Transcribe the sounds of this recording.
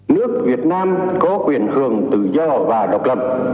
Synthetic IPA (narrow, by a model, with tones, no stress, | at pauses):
nɨ˦˥ək̚vi˨˩ət̚naː˧mkɔ˨˦kwi˨˧˩ənhɨ˧˨˩əŋt̪ɨ̰˧˨zɔ˧vaː˨˩ɗə˨˩wk͡p̚lə˨˩p̚